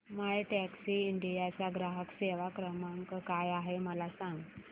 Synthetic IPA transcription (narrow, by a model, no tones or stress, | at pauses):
maɭʈɛksiiɳɖijat͡ɕaɡɾaɦəkseʋakɾəmaŋkkajaɦeməlasãŋɡ